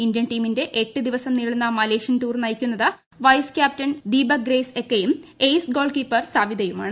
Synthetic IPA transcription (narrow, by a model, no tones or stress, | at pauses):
indjɐnʈiːminde̞ʔeʈːɨd̪iʋɐsɐmniːɭunːɐmɐleːʂɐnʈuːrnɐjikʲːunːɐðɨ | ʋɐjskʲjaːp̚tɐnd̪iːbɐɡre̞ːsekːejumejsɡo̞ːɭkiːpːɐrsaːʋid̪ɐjumaːɳɨ